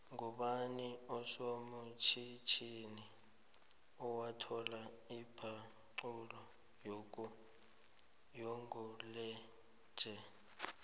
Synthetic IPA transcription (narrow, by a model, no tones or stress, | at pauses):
ŋuɓaniɔsomut͡ʃʰit͡ʃʰini | ɔwatʰɔla | ipʰa | ǀulɔ | jok̬ | jɔŋulɛ̥ | d͡ʒ̥ʱɛ